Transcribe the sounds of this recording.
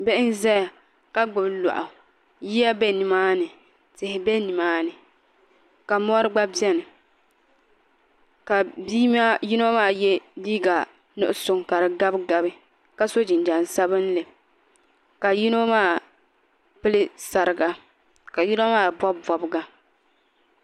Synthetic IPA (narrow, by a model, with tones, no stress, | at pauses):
bɛ˦ʔɪ˦n˦zɛ˦ja˨ | ka˦ɡ͡bɨ˨blɔ̰˨ʔʊ˨ | ji˦ja˦bɛ˦ni˨maː˦nɨ˨ | tɪ˨hɪ˨bɛ˦ni˨maː˦nɨ˨ | ka˨mɔ˦ɾɨ˦ɡ͡ba˦bi˦ɛ˦nɨ˨ | ka˨bi˦ma˦ji˦no˦maː˦˨jɛ˦liː˦ɡa˨ | nʊ̰˦ʔʊ˦sʊ˦ŋka˨ɾɨ˨ɡa˦bɡa˦bɨ˦ | ka˦so˦d͡ʒɪ˨n˨d͡ʒa˨nsa˦bɨ˦n˦lɨ˨ | ka˨ji˦no˦maː˦˨ | pɨ˦lɨ˦sa˨ɾɨ˨ɡa˨ | ka˨ji˦no˦maː˦˨bɔ˦bɔ˨bɨ˦ɡa˦